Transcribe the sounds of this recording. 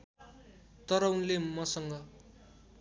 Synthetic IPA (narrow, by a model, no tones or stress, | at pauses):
t̪ʌɾʌunlemʌsʌŋɡʌ